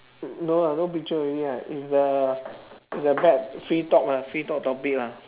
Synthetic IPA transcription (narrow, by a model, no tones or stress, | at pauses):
nolanopit͡ʃəiiaʔḭtsdə | isdəbɛt̚fɹitɔk̚lafɹitɔk̚tɔpik̚la